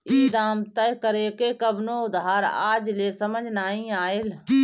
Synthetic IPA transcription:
iːd̪aːmt̪əjkəɾekekəbnoʊd̪ɦaːɾa̰ːd͡ʒlesəməd͡ʒʱnaːĩaːɪl

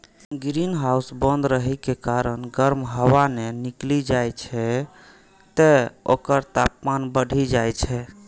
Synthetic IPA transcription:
ɡɾinɦausbə̃nd̪ɾəɦɛkekaɾənɡəɾmɦəwaneniklid͡ʒajt͡ʃʰɛ | t̪eo̰kəɾt̪ap̚manbəɽ̤ʱid͡ʒajt͡ʃʰɛ

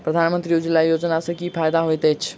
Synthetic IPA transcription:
pɾɐd̪ʱaːnmə̃nt̪ɾiʊd͡ʑilaijoːd͡ʑnasẽkifaːɪd̪aɦoet̪eːt͡ɕ

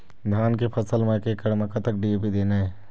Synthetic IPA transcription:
d̪ʱaːnkepʰəsəlmãkekəɽməkɐt̪ək̚ɖieːpid̪eːnaɦɛ

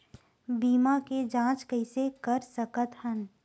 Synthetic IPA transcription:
biːmaked͡ʒãːt͡ʃkəɪsekəɾsəkət̪hən

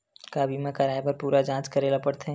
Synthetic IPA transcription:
kabiːmãkaɾaːjbɐɾpuːɾad͡ʒãːt͡ʃkɐɾeːlapɐɽt̪ʰẽ

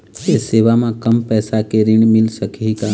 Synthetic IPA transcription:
eseːʋamãkəmpɛːsakeɾɪɳmɪlsəkʰika

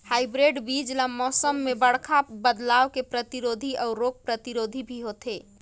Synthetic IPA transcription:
hajbɾeɖbid͡ʒlamɔsəmːebəɽ̤kʰabəd̪lawkepɾət̪iɾod̪ʱiʔɔɾoɡ̚pɾət̪iɾod̪ʱibʱiɦot̪ʰe

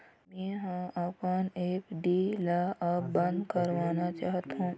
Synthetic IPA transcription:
mẽːɦãʔəpəneːpɖilaʔəbə̃nd̪kəɾʋaːnat͡ʃaːɦt̪ũ

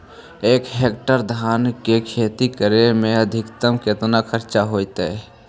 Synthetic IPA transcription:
eːkɦeːkʈəɾd̪ʱaːnkekʰeːt̪ikəɾemẽəd̪ʱɪkt̪əmket̪nakʰəɾt͡ʃaɦoːjt̪e

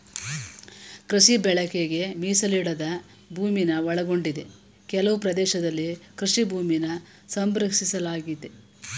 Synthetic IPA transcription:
kɾɐʃibɛɭɐkeɡe̞miːsɐliɽɐd̪ɐ | bʱuːminɐʋɔɭɐɡo̞ɳɖid̪e | kɛlɐʋupɾɐd̪ɛːʃɐd̪ɐlːikɾɨʃibʱuːminɐ | sɐmbɾɐksisɐlaːɡid̪e

